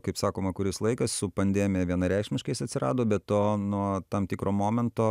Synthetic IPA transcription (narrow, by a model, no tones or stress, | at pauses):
kɐɪpsɑːkoːmɐkʊɾʲɪslˠɐɪkɐssʊpɐnʲd̪ʲeːmʲɪjɛʋʲiɛnɐɾʲɛɪkʃʲmʲɪʃkɐɪsɐt̪ʲsʲɪɾɑ̰ːd̪oːbʲɛt̪oːnuɔt̪ɐmt̪ʲɪkɾoːmoːmʲɛnt̪oː